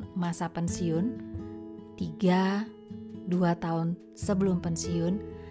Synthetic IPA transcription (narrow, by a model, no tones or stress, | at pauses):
masapənsiʊn | t̪iɡa | duat̪aʊn | səbəlʊmpənsiʊn